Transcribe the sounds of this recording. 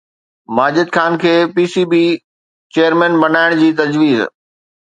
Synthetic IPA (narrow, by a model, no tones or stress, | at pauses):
maːd͡ʑɪd̪xaːnkʰeːpiːsiːbiː | t͡ɕejəɾmɛ̃ːnbɐnaːɪɽ̃d͡ʑiːt̪ɐd͡ʑʋiːz